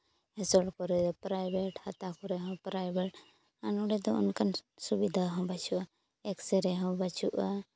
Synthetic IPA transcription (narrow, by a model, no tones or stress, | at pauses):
ɦɛsɔʈkɔɾɛd̪ɔpɾajbɛʈhat̪akɔɾɛɦɔ̃pɾajbɛʈ | anuɽɛd̪ɔɔ̰nkansubid̪ʱaɦɔ̃bat͡ʃuʔa | ɛksɛɾɛɦɔ̃bat͡ʃuʔa